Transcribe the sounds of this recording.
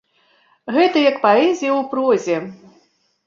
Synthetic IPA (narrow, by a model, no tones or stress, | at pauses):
ɣɛt̪ɐjɐkpaɛzʲijɐwpɾɔzʲɛ